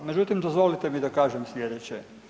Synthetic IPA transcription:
med͡ʒut̪imd̪ozʋo̞lit̪emid̪akaːʒemslʲjed̪et͡ɕe

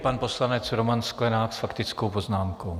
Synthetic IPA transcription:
panpo̞slanɛt͡sɾomansklɛnaːksfakt̪ɪt͡skowpoznaːmkow

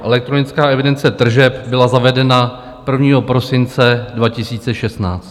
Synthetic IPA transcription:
ʔɛlɛk̚t̪ɾo̞nɪt͡skaːʔɛvɪdɛnt͡sɛt̪r̩ʒɛpbɪlazavɛdɛna | pr̩vɲiːɦo̞pɾo̞sɪnt͡sɛdvacɪsiːt͡sɛʃɛst̪naːt͡st̪

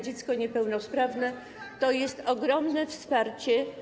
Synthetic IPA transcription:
d͡ʑɛt̪skɔɲɛpɛwnɔspɾavnɛ | t̪ɔjɛst̪ɔɡɾɔmnɛfspaɾt͡ɕɛ

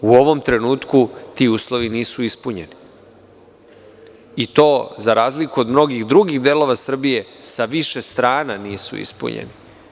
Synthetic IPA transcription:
uo̞ʋo̞mt̪ɾe̞nuːt̪kut̪iːuːslˠo̞ʋiniːsuispuɲe̞ni | it̪o̞ːzaɾaːzlikuo̞d̪mno̞ɡiɣd̪ɾuɡiɣd̪eːlo̞ʋasr̩bije̞saʋiʃe̞st̪ɾaːnanijesṵḭspṵɲḛnḭ

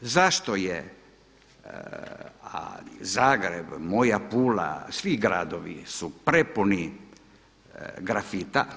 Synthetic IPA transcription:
zaʃt̪oje | a̰zaːɡɾebmojapuːla̰sʋiɡɾa̰ːd̪oʋḭsupɾepuni | ɡɾafit̪a

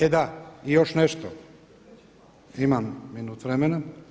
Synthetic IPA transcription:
ed̪aijo̞ʃneʃt̪o | imamːinuːt̪ʋɾemena

